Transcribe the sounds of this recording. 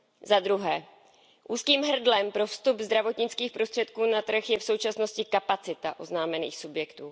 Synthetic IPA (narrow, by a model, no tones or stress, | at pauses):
zad̪ɾuɦɛː | ʔuːskiːmɦr̩dlɛmpɾo̞fst̪ubzd̪ɾavo̞t̪ɲɪt͡skiːxpɾost̪r̥ɛt̪kuːnat̪r̩xjɛfso̞wt͡ʃasno̞scɪkapat͡sɪt̪aʔo̞znaːmɛnḭːxsubjɛkt̪uː